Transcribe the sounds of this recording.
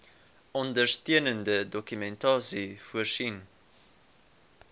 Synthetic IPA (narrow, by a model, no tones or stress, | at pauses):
ɔndərstiənəndədɔkymɛntɑːsifuərsin